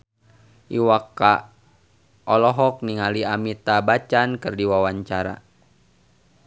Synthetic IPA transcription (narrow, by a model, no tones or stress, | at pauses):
ʔiwaka | ʔɔlɔɦɔk̚niŋaliamit̪abat͡ʃankɨrdiwawaɲt͡ʃaɾa̰